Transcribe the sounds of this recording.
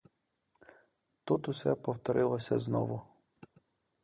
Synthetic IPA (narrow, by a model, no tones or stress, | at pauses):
t̪ut̪usɛpɔwt̪ɔɾʔɪlˠɔsʲɐ̰znɔ̰ʋʊ